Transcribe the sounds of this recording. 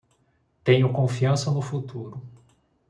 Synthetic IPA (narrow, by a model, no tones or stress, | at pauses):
t̪ẽɲʊkõfiɐ̃sɐnʊfut̪uɾʊ